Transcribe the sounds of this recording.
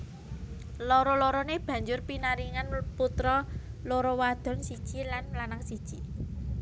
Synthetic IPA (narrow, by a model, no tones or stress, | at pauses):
loɾɔloɾɔneb̥ä̤ɲd͡ʒʊrpinaɾiŋanput̪ɾɔloɾɔwad̪̥ɔ̤nsid̥ʒ̥ilanlanaŋsid̥ʒ̥i